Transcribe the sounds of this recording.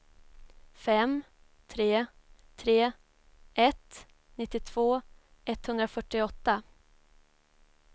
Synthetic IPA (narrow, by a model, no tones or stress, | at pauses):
fɛm | t̪ʰɾeː | t̪ʰɾeː | ʔɛt̪ | nɪt̪ːɪt̪ʰv̥oː | ɛt̪ːhɵnd̪ɾafœʈːɪɔt̪ːa